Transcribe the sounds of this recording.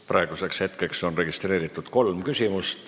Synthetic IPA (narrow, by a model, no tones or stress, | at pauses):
pɾʔɑeɡ̥use̞kshe̞t̪kekso̞nre̞ɡ̥ist̪re̞ːɾit̪ːˑud̪̥ko̞lmkysʲimust̪